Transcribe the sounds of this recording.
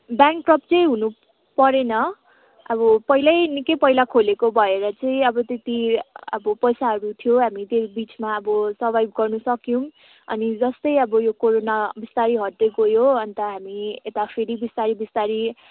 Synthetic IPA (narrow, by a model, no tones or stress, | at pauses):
bjaŋkʈrʌp̚t͡sʌĩɦunu | pʌɾenʌ | ʌbʌpʌɦilajnikʌjpʌɦilakʰolekobʱʌeɾʌt͡sʌĩʌbʌt̪et̪iʌ̰bʌpʌjsaɦʌɾut̪ʰijoɦamit̪ebit͡smaʌbʌsʌrbajbɡʌrnusʌkjũm | ʌ̰nid͡zʌst̪ʌjʌbʌjokoɾonabist̪aɾiɦʌʈːekojoʌnt̪ʌɦamiet̪apʰeɾibist̪aɾibist̪aɾi